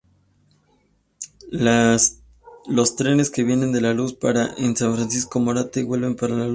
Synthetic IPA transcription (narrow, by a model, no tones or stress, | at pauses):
lo̞st̪ɾe̞ne̞ske̞βje̞ne̞nd̪e̞laluspaɾaʔensanfɾansisko̞mo̞ɾat̪eɡwe̞lβe̞mpaɾalalu